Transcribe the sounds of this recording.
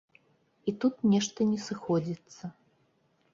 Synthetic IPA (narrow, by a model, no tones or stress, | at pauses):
it̪ut̪nʲɛʂt̪ɐnʲɛsɨxɔd͡zʲit̪sːɐ